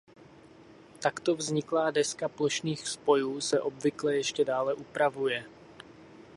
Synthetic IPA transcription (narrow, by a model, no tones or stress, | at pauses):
t̪akt̪o̞vzɲɪklaːdɛskaplo̞ʃniːxspo̞juːsɛʔo̞bvɪklɛjɛʃcɛdaːlɛʔupɾavujɛ